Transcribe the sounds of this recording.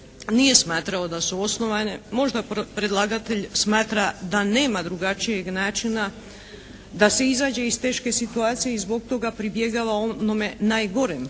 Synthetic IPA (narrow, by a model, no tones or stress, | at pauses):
nije̞smaːt̪ɾao̞d̪asuo̞sno̞ʋane̞mo̞ʒd̪apɾe̞d̪lˠaɡat̪e̞ʎsmaːt̪ɾad̪ane̞ːmad̪ɾuɡat͡ʃije̞ɡnaːt͡ʃina | d̪ase̞izaːd͡ʑe̞ist̪e̞ːʃke̞sit̪uaːt̪sijeizbo̞ɡ̚t̪o̞ɡapɾibjeɡaʋaonome̞naːjɡo̞ɾem